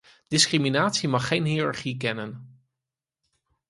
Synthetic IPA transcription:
d̥ɪskriminaːtsimɑχːejnɦiːrɑɹχik̬ɛnən

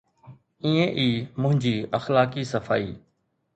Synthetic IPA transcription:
ĩːẽːʔiːmʊ̃ɦɪ̃ɲd͡ʑiːəxlaːkiːsəfa̰ːḭː

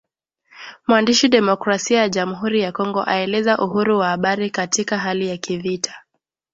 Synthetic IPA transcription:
mwandiʃiɗɛmɔkɾasiajaʄamuɦuɾijakɔŋɡɔʔaɛlɛzaʔuhuɾuwahaɓaɾikatikaɦalijakivitʰḁ

